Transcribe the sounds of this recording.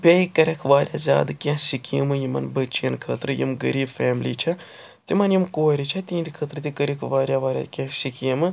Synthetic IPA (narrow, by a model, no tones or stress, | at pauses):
pʲɐjikɐɾʲɐkʰʋaːɾʲja̰zʲa̰ːd̪ɨkʲãsikḭmɨjimɐ̰nbɐt͡ʃijɐnkʰət̪ɾɨjḭmɡɐɾiːbfɛːmliːt͡ʃʰɐ | t̪imɐnjimkoːɾʲit͡ʃʰɐt̪ʲiːnd̪ʲikʰɐt̪ɾɨt̪ʲikəɾʲikʰʋaːɾʲjaʋaːɾʲja̰kʲãsikimɨ